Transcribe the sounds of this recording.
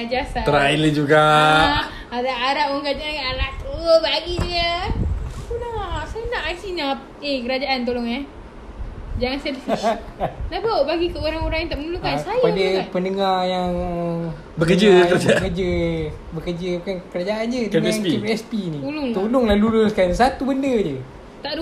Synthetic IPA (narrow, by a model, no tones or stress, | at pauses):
ad͡ʒasaəɾaailəd͡ʒuɡa | adaaɾaʔ̚moŋkad͡ʒaɡaʔalakəbaɡidiə | kulaʔsajənaʔasina | ekəɾad͡ʒaʔant̪oloŋa | d͡ʒaŋansɛdfi | labaʔbaɡikəoɾaŋoɾaŋjant̪aʔmənulukansajapadapənəŋarjaŋ | bəkəd͡ʒəəɾad͡ʒbkəd͡ʒə | bəkərd͡ʒəbukankəɾad͡ʒaʔand͡ʒədəŋjaŋipɛspiniulʊt̪olʊŋlalulʊskansat̪ubəndəd͡ʒə | t̪aʔdu